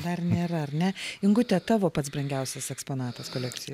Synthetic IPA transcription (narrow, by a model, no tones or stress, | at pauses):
d̪ɐrnʲeːɾɐɐrnʲɛɪŋɡʊt̪ʲɛt̪ɑːʋoːpɐt̪s̬bɾɐŋʲɡʲɛʊsʲɛsɛkspoːnɑːt̪ɐskoːlʲɛk̚t̪ʲɪjo